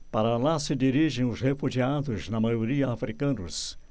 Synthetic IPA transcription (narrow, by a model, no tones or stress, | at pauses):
paɾɐlasɪd̪iɾiʒẽj̃ʊzhefuʒiad̪ʊznɐmajoɾiɐafɾikɐ̃nʊs